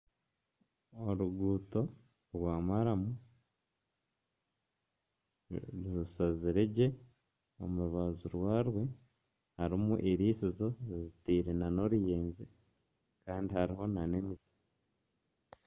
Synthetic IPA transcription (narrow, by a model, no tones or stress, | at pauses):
oɾuɡuːto̞ | ɾwaːmaɾamu | ɾiɾusaziɾeɟe̞ | o̰muɾuβazuɾwaːɾwe̞ | haɾimuʔiɾiːsizo̞zitiːɾenano̞ɾijeːnze | kaːndihaɾiɦo̞nanemiβi